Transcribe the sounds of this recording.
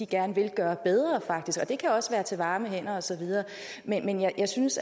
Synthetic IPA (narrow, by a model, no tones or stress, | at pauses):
iɡ̥æɐnəʋe̝lɡ̥ɶːɐb̥eð̞ˠʁɐfɑ̈ɡ̥̚d̥isɡ̥ɒ̽d̥e̝kʰæɒ̽sʋæːɐt͡sʰe̝ʋɑ̈ːməɦen̰ɐɒ̽sɒ̽ʋið̞ˠɐː | menmenjɑjɑ̈ɪsyns